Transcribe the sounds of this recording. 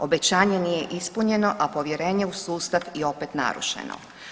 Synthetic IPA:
o̞be̞t͡ɕaːɲe̞nije̞ʔispuɲe̞no̞ʔapo̞ʋje̞ɾe̞ːɲe̞usuːst̪atio̞pet̪na̰ɾṵʃḛno̰

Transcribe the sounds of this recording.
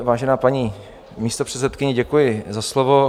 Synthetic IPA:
vaːʒɛnaːpaɲiː | miːst̪o̞pr̥ɛt̪sɛt̪kɪɲɛɟɛkujɪzaslovo

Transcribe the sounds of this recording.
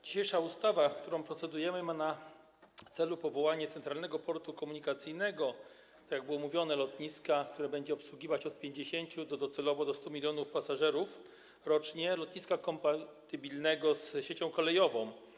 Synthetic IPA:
d͡ʑiɕejʂaust̪avafkt̪uɾɔ̃w̃pɾɔt̪sɛd̪ujɛmɘmana | t̪sɛlupɔvɔwaɲɛt̪sɛnt̪ɾalnɛɡɔpɔɾt̪ukɔmuɲikat̪sɘjnɛɡɔ | t̪akʲjaɡ̚bɘwɔmuvʲjɔnɛlɔt̪ɲiskakt̪uɾɛbɛɲd͡ʑɛɔpswuɡʲivat͡ɕɔt̪̚pʲjeɲd͡ʑeɕeɲt͡ɕud̪ɔd̪ɔt̪sɛlɔvɔd̪ɔst̪umʲilʲjɔnufpasaʐɛɾuf | ɾɔt͡ʂɲɛlɔt̪ɲiskakɔmpat̪ɘbʲilnɛɡɔsɕet͡ɕɔ̃w̃kɔlɛjɔvɔ̃w̃

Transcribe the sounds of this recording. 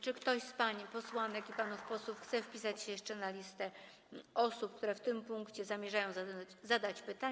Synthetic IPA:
t͡ʂɘkt̪ɔɕspaɲipɔswanɛkipanufpɔswufxt̪sɛfpʲisat͡ɕɕejɛʂt͡ʂɛnalʲist̪ɛ | ʔɔsupk̚t̪uɾɛft̪ɘmpuŋkt͡ɕɛzamʲjɛʐajɔ̃w̃zazad̪at͡ɕpɘt̪a

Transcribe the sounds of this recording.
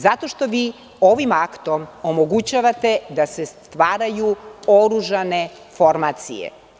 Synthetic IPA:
zat̪o̞ʃt̪o̞ʋiː | oʋimakt̪o̞momo̞ɡut͡ɕaʋat̪e̞d̪asest̪ʋaːɾajuoɾuʒane̞ | fo̞ɾmat̪sḭjḛ

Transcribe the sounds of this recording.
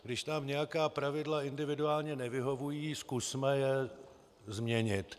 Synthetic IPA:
ɡdɪʃt̪amɲɛjakaːpɾavɪdlaɪndɪvɪduaːlɲɛnɛvɪɦo̞vujiːskusmɛjɛ | zmɲɛɲɪt̪

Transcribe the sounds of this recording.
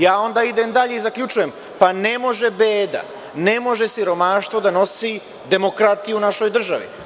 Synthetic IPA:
jaːo̞nd̪aːid̪e̞md̪aʎe̞izakʎut͡ʃujem | pane̞mo̞ʒe̞beːd̪a̰ | ne̞mo̞ʒe̞siɾo̞maːʃt̪vo̞d̪ano̞si | d̪e̞mo̞kɾat̪ijunaʃo̞jd̪r̩ʒaʋḭ

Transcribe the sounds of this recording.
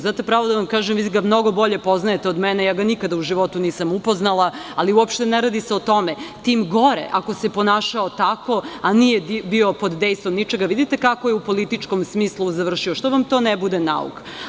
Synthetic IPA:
zaːt̪epɾaːʋod̪aʋamkaːʒemʋiːɡamno̞ɡo̞bo̞ʎe̞po̞znajet̪eod̪mɛnejaːɡanikad̪auʒiʋo̞t̪uniːsamupoznalˠaaliuopʃt̪e̞neɾad̪iseot̪o̞met̪iːmɡoɾḛʔako̞sepo̞naːʃaot̪ako̞anijebio̞po̞d̪ːejst̪ʋomnit͡ʃeɡaʋid̪it̪ekakojeupo̞lit̪it͡ʃkomsmiːslˠuzaʋr̩ʃioʃt̪oʋamt̪o̞ːnebud̪ena̰ṵk

